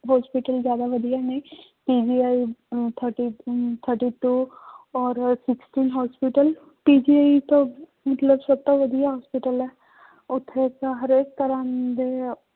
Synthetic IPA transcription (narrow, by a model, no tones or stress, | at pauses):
ɦɔːspiʈəlzjaːd̪aʋəd̪ijanẽːpiːd͡ʒiːaːit̪ʰəʈit̪ʰəɾʈiːʈuːɔːɾsɪksʈiːnɦɔːspiʈəl | piːd͡ʒiːaːit̪õ | mət̪ləbsəb̚t̪oʋəd̪ijaɦɔːspɪʈəlɛː | ʊt̪ʰːet̪aɦəɾeːk̚t̪əɾãːd̪e